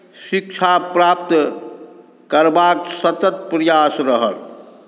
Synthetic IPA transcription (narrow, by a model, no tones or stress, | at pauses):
sik̚t͡ʃʰapɾap̚t̪ | kəɾbaksət̪ət̪̚pɾəjasɾəɦəl